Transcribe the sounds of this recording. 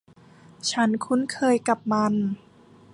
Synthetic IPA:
t͡ɕʰa˦˥nkʰu˧˥˨nkʰɤː˧jka˨˩p̚ma˧n

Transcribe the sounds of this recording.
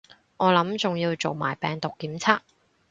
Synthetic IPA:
ŋɔː˨˧lɐ˨˥mt͡sʊ˨ŋjiː˧wt͡so˨wma̰ː˨˩jpɛː˨ŋt̪ʊ˨kːiː˨˥mt͡sʰaː˥k̚

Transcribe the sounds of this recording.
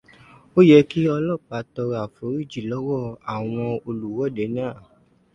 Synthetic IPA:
o˦jɛ˧ki˦ɔ˧lɔ˦˨k͡pa˧˦tɔ˧ɾa˨fo˨˦ɾi˦˨d͡ʒi˨lɔ˨˦wɔ˦˨a˨w̃ɔ̃˧o˧lu˨wɔ˦˨de˨˦nãː˦˨

